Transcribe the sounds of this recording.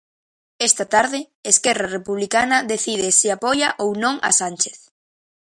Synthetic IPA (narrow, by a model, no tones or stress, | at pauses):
est̪ɐt̪aɾðɪ | eskɛrarepuβlikanɐðeθið̞esiapɔjaʔownõŋa̰sanʲt͡ʃe̥θ